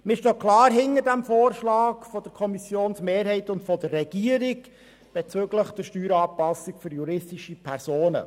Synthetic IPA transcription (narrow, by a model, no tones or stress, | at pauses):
mɪʃtøːkʰlɑːɾɦɪnədæmfoːrʃlɑːkfɔd̥əɾkʰɔmisjoːnsmeːɾɦɛɪtʊntfɔdərːɛɡ̥iːəɾiɡ | b̥et͡søɡləχd̥əʃtyːɾɑːpɑsːikfʏɾjuɾɪstɪʃipʰɛrsoːnə̰